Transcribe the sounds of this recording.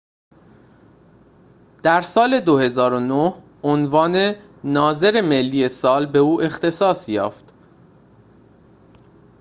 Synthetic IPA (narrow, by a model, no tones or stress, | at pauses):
d̪̥æɾsɒːle̞d̪ohe̞zɒːɾonoh | onvɒːne̞ | nɒːze̞ɾe̞me̞lːiːe̞sɒːlbe̞uːʔe̞xt̪ʰe̞sɒːsjɒ̰ːft̪